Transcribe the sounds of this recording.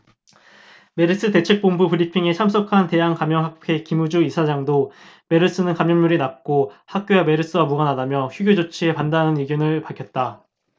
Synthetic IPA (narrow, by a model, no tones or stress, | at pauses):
me̞ɾɯs͈ɯte̞t͡ɕʰe̞k̚p͈ombupɯɾipʰiŋe̞t͡ɕʰams̬͈ʰokʰante̞jaŋkamjʌŋɦak̚pʰe̞kimud͡ʑuisʰad͡ʑaŋdo | me̞ɾɯs͈ɯnɯnkamjʌŋɲuɾinap̚k͈ohak̚k͈jowame̞ɾɯs͈ɯwamuɡanadamjʌçjuɡjod͡ʑot͡ɕʰie̞pandanɯniɡjonɯɭpaɭkʰjʌt̚t͈a